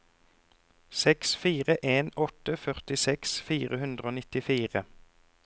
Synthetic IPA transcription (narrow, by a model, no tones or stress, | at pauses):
sɛksfiːʁəʔeːnɔt̪əfœʁt̪ɪsɛksfiːʁəhʉnd̪ʁəoːnɪt̪ɪfiːʁə